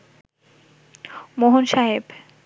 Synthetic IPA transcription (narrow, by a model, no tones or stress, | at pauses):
moɦonʃaɦeb